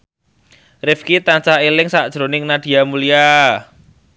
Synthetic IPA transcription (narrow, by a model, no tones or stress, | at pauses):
rɪfkit̪ant͡ʃahelɪŋsaʔd̥ʒ̥ɾonɪŋnad̥i̤amulija